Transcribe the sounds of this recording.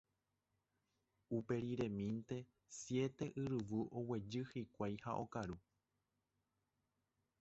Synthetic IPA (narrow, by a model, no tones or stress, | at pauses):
upe̞ɾiɾẽ̞mĩnt̪e̞ | sje̞t̪e̞ʔɨɾɨʋɨʔo̞we̞d͡ʒɨhikʷajha̰ʔo̞̰kaɾu